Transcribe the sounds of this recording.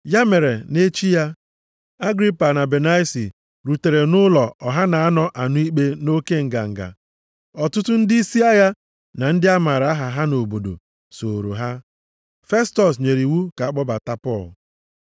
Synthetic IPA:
ja˦me˨ɾe˨ne˦t͡ʃi˦ja˦ | a˦ɡɾi˦pa˨na˨be˨na˦si˨ | ɾu˨te˨ɾe˨nʊ˦lɔ˨ɔ˨ɦa˦na˨a˦nɔ˦ʔa˨nʊ˦i˦k͡pe˦no˦ke˦ŋ̩˨ɡa̰˨ŋ̩˨ɡa̰˨ | ɔ˨tʊ˦tʊ˦n̩˦dɪ˦i˦si˦a˦ja˦ | na˨n̩˦dɪ˦a˦ma˨ɾa˨a˦ɦa˨ɦa˦no˨bo˨do̰˨ | so˨ɾo̰˨ɦa˦ | fe˦stɔ˨s̬ɲe˨ɾi˨wu˦ka˨a˦k͡pɔ˦ba˨ta˦pɔ˦˨l

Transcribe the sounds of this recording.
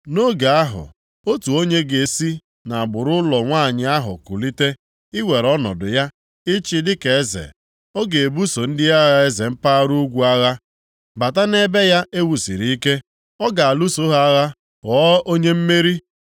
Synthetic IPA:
no˦ɡa˨a˦ɦʊ̰˨ | o˦tu˨o˦ɲe˦ɡe˨si˦ | na˨a˨bʊ˨ɾʊ˦lɔ˨ŋʷaː˦˨ɲɪ˨a˦ɦʊ̰˨ku˨li˦te˦ | ɪ˦we˨ɾɔ˦nɔ̰˨dʊ˨ja˦ | ɪ˦t͡ʃɪ˦dɪ˦ke˨e˦zḛ˨ | ɔ˦ɡe˨e˨bu˦so˨n̩˦dɪ˦a˦ɣa˨e˦ze˨m̩˦pa˦ɾu˦ɡʷu˨a˦ɣa˦ | ba˨ta˦ne˦be˦ja˦ʔe˦wu˨sḭ˨ɾi˦i˦ke˦ | ɔ˦ɡa˨a˨lu˦so˦ɦa˦ɣa˦ | ɣɔ˦ʔo˦ɲe˦m̩˦me˦ɾi˦

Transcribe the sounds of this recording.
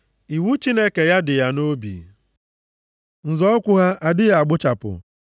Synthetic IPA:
i˨wu˦t͡ʃi˦ne˦ke˨ja˦dɪ˨ja˦no˦bḭ˨ | n̩˨zɔ˦kʷʊ˦ɦa˦ʔa˨dɪ˦ja˦˨a˨ɡ͡bʊ˦t͡ʃa˨pʊ̰˨

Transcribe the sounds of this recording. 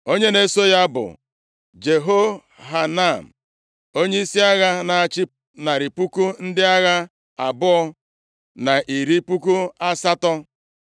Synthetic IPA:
o˦ɲe˦ne˦so˦ja˦bʊ̰˨ | d͡ʒe˨ɦo˦ | ɦa˨na˦˨m̩˨ | o˦ɲe˦i˦si˦a˦ɣa˦na˨a˨t͡ʃɪ˦ | na˨ɾi˨pu˦ku˦n̩˦dɪ˦a˦ɣa˦ | a˨bʊ˦ɔ˦ | na˨ʔi˨ɾi˦pu˦ku˦a˦sa˦tɔ˦

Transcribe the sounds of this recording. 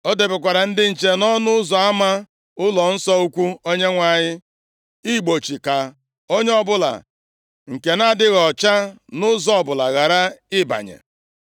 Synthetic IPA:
o˦de˨bɪ˨kʷa˨ɾa˨n̩˦dɪ˦n̩˨t͡ʃe˦nɔ˦nʊ˦ʊ˦zɔ˨a˦ma˦ | ʊ˦lɔ˨n̩˦sɔ˦u˦kʷu˦o˦ɲe˦ŋʷa˨ɲɪ˦ | i˦˨ɡ͡bo˨t͡ʃi˨ka˨ | o˦ɲe˦ɔ˦bʊ˦la̰˨ | ŋ̩˨ke˨na˦˨dɪ˦ɣɔ˨t͡ʃa˦nʊ˦zɔ˦ɔ˨bʊ˨la˨ɣa˨ɾa˦ɪ˦ba̰˨ɲḛ˨

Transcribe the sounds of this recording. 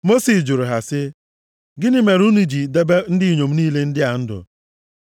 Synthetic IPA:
mo˦si˨sd͡ʒʊ˨ɾʊ˨ɦa˨sɪ˦ | ɡɪ˦nɪ˦me˨ɾu˦ni˨d͡ʒi˨de˦be˦n̩˦dɪ˦i˨ɲo˨m̩˦niː˦le˦n̩˦dɪ˦a˨n̩˦dʊ̰˨

